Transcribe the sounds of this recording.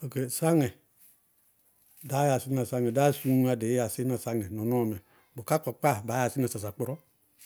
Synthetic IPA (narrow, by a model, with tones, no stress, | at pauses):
o˨ke˨sa˦ŋɛ˨ | da˨˦ja˨si˦na˨sa˦ŋɛ˨da˦su˦a˧de˨˦ja˨si˦na˨sa˦ŋɛ˨nɔ˨nɔ˦˨mɛ˨ | bo˨ka˦k͡pɔ˨k͡pa˦˨ba˨˦a˨si˦na˨sa˨s̬a˨k͡pɔ˨ɾɔ˦